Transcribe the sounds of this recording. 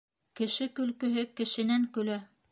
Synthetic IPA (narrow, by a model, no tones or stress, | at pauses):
kɘ̆ʃɘkɵ̆lkɵ̆ɦɘkɘ̆ʃɘ̆næŋkɵ̆læ